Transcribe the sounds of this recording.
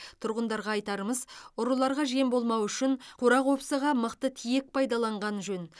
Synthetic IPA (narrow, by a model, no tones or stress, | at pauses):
t̪ʰʊɾʁənd̪ɑɾʁɑːjt̪ɑɾəməzʊɾəlˠɑɾʁɑʒe̞mbo̞lˠmɑwʏʃɪnqʰoɾɑqwo̞psəʁɑməqt̪ət̪ʰijek̚pʰɑjd̪ɑlˠɑɴʁɑnʒɵn